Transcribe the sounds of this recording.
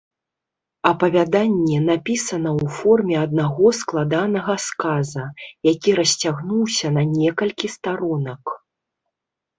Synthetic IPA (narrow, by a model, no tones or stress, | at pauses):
ɐpɐvʲad̪anʲːɛnapʲisɐnɐwfɔrmʲɛɐd̪̚naɣɔsklˠad̪anɐɣɐskazɐjakʲiɾɐsʲt͡sʲaɣnuwsʲɐnɐnʲɛkɐlʲkʲist̪aɾɔnɐk